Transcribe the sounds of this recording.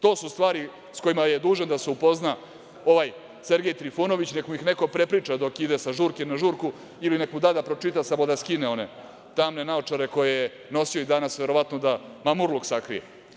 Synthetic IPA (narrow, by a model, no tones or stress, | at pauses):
t̪o̞ːsust̪ʋaːɾi | sko̞imajed̪uːʒend̪aseupo̞zna | o̞ʋaj | se̞ɾɡʲe̞jt̪ɾifono̞ʋit͡ɕne̞kmuixne̞ko̞pɾe̞pɾiːt͡ʂad̪o̞kid̪e̞saʒuːɾkemnaʒuːɾku | iline̞kmud̪ad̪apɾo̞t͡ʂit̪asamo̞d̪askineo̞ne̞̰ | t̪amne̞naot͡ʂaɾe̞ko̞jeje | no̞sio̞id̪anasʋe̞ɾo̞ʋat̪nod̪amamuɾlˠuksakɾḭjḛ